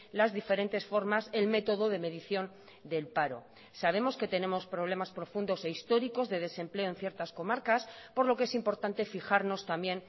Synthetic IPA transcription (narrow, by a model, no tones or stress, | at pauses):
lazðife̞ɾe̞nt̪e̞sfo̞ɾmaselme̞t̪o̞ðoðe̞me̞ðiθjo̞n | d̪e̞lpaɾo̞̰ | saβ̞e̞mo̞ske̞t̪e̞nẽ̞mo̞spɾoβ̞le̞maspɾo̞fund̪o̞se̞ist̪o̞ɾiko̞zðe̞ð̞e̞sẽ̞mple̞oe̞nθje̞ɾt̪asko̞maɾkaspo̞ɾlo̞ke̞simpo̞ɾt̪ant̪e̞fixaɾno̞st̪ambje̞n